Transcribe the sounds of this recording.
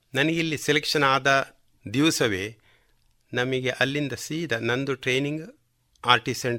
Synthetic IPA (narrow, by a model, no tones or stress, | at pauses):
nɐnɐɡilːiselekʂɐnaːd̪ɐ | d̪iʋsɐʋeː | nɐmɐɡeʔɐlːind̪ɐsiːd̪ɐnɐnd̪uʈɾeːniŋɡ | aːɾʈisɐɳɖ